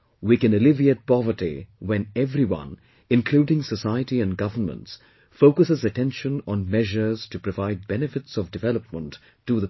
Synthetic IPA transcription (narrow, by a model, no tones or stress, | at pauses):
wikɨ̃nəlɪvieɪt̚pɑvətḭwɛ̃nɛvɾiwʌ̰̃n | ɪ̃nkʰl̥udɪ̃ŋsəsaɪəɾiɨ̃nɡʌvənmə̰̃nts | foʊkɨsɨzɨtɛ̃nʃə̃nə̃nmɛʒə˞z̥tɨpɹ̥əvaɪd̚bɛnɨfɨtsʌvdɨvɛlˠəp̚mə̃ntʰː | uðə